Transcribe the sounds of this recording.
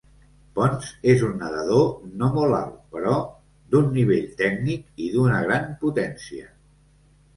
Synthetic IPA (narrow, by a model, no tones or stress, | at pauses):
pɔnzezunːəðəð̞onomola̰lˠpəɾɔ | d̪unːiβ̞eʎt̪ɛknikiðunəɣ̞ɾamput̪ɛnsiə̰